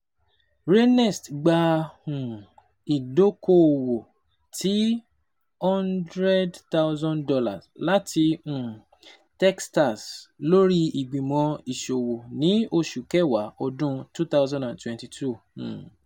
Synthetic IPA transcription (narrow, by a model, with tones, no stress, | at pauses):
ɾe˦nɛ˦˨stɡ͡ba˧hũ˨ | i˨do˦ko˦˨wo˨ | tʰi˨˦ | hɔ̃˦ndɾɛ˦dta˦ʊzɔ̃˦ndɔ˧la̰˨sla˦tʰi˧ũ˨ | tɛ˦ksta˨slo˦ɾi˦i˨ɡ͡bĩ˨mɔ̃˧i˨ʃo˨wo˨nĩ˦o˧ʃu˨kɛ˦˨wa˨˦ɔ˧dũ˦tu˦t̪a˦ʊzɔ̃˦ndã˨ntwɛ̃˨nti˨tʰũ˦˨